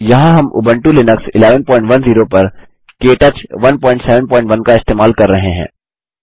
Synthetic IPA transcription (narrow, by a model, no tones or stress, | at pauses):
jɐɦãɦɐmʊ̰bə̃ɳʈulɪnəksɪleːʋənpɔːɪ̃ɳʈʋɐnziːɾopɐɾ | keːʈət͡ʃʋɐnpɔːɪ̃ɳʈsɛːʋə̃npɔːɪ̃ɳʈʋɐnkaɪst̪eːmaːlkɐɾːɐɦẽɦɛ̰̃ː